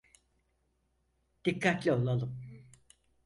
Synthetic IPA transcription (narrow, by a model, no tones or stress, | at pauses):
d̪̥ikːat̪lʲio̞lˠalˠɯm